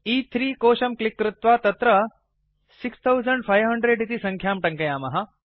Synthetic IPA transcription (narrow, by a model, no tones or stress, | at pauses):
iːt̪ʰɾiːkoːʃɐmklɪkːɾɪt̪ʋaːt̪ɐt̪ɾɐ | sikst̪ʰɐwzɐɳɖfʰajʋɦɐɳɖɾeɖit̪isɐ̃ŋkʰjaːmʈɐŋkɐjaːmɐɦɐ